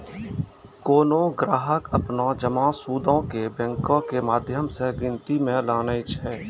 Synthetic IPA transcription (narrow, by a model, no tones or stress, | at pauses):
koːnõɡɾaːɦəkəpnad͡ʒəmãːsuːd̪õkebɛ̃ŋkõkemaːd̪ʱjəmseɡɪ̃nt̪imẽlaːnəɪt͡ʃʰɛː